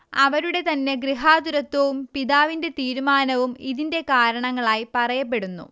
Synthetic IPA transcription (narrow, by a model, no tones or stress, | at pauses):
ɐʋɐɾuɽe̞t̪ɐnːe̞ɡɾiɦaːd̪uɾɐt̪ːɐʋumpiðaːʋinde̞t̪iːɾumaːnɐʋumiðinde̞kaːɾɐɳɐŋːɐɭaːjipɐrɐjɐpːe̞ɽunːṵ